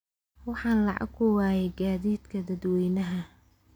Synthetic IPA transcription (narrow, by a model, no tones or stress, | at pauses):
wɑħɑːnlɑʕɑ̰ɡkʰʊwaːjɛɡaːðiːd̪kʰɐd̪ɐd̪wɛjnɐɦɐ